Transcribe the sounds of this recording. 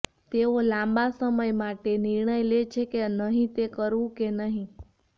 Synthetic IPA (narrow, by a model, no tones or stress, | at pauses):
t̪eolãmbasəməjmaʈeniɾɳəjlet͡ʃʰekenəɦĩt̪ekəɾʋũkenəɦĩ